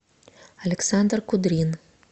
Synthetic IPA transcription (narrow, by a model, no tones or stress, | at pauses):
ɐlʲɪksand̪rkʊd̪ɾʲin